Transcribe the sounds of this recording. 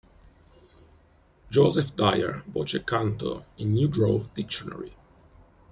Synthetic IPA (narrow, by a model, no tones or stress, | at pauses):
d͡ʒozɛfd̪ajə̰ɹbɔt͡ʃɛkãnt̪o̰ĩnːjudɹod̪ikʃɔna̰ɹi